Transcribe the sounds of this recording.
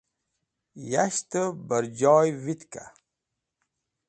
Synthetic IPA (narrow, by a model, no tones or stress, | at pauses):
jaɕt̪əbəɾd͡ʑɑːjwit̪ka̰